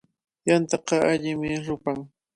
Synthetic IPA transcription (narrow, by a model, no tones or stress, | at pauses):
jant̪ɑqɑaʎɪmɪɾʊpaŋ